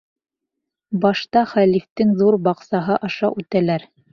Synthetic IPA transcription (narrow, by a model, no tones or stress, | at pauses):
bɑʃt̪ɑχælift̪ɘŋðuɾbɑqsɑɦɤʔɑʃɑʔʉt̪ælæɾ